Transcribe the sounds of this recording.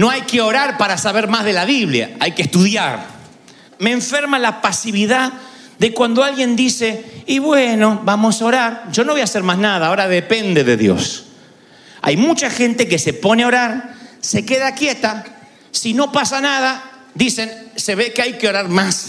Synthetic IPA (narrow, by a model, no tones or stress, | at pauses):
no̞ajkeo̞ɾaɾpaɾasaβeɾmazðe̞laβiβlja̰ajkeht̪uðjaɾ | meːɱfeɾmalapasiβiðað | d̪ekwand̪oalɣje̞nd̪iseiβweno̞βamo̞saoɾaɾʒo̞no̞βo̞jaseɾmaznaðaːoɾaðepend̪e̞ðeðjo̞̰s | a̰jmut͡ʃaxe̞nt̪e̞k̬ese̞po̞neo̞ɾaɾse̞keðakje̞t̪a | sino̞pasanaða | d̪ise̞nse̞βekeajkeo̞ɾaɾmas